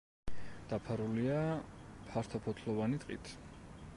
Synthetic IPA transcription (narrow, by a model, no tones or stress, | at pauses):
d̪̥apʰaɾuliapʰaɾt̪ʰɔpʰɔt̪ʰlˠɔvanit̪ʼqʼḭt̪ʰ